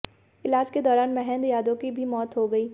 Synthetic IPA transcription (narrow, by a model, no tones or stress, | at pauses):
ɪlaːd͡ʒked̪ɔːɾaːnmɛɦɛ̃nd̪jaːd̪õkibʱimɔːt̪ɦoɡɐiː